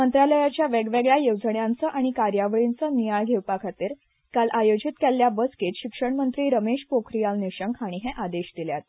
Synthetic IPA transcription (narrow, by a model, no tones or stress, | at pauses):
mənt̪ɾaləjat͡ɕjaʋeɡʋeɡɭjajowd͡zəɳjant͡səʔaɽ̃ikaɾjaʋəɭint͡sənijaɭɡʱewpakʰat̪iːɾ | kalʔajod͡ʑit̪kɛlːjabəsket̪ɕikʂəɳmənt̪ɾiːɾəmeɕpokʰɾijalniɕəŋkʰaɽ̃iɦɛʔad̪eɕd̪iljat̪̚